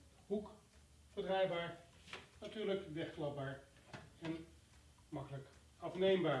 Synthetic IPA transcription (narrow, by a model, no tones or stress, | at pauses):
ɦuk | b̥ədrɛjbaːɹ | natyːɹləkʋɛχklɑbaːɹ | ɛn | mɑkələk | ɑfnejmbaː